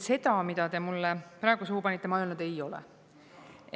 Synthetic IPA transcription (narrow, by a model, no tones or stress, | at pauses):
se̞d̪ɑmid̪̥ɑt̪e̞mulːepɾɑeɡ̥usuhupɑnʲit̪ːˑemɑelnt̪ejo̞lɛ̰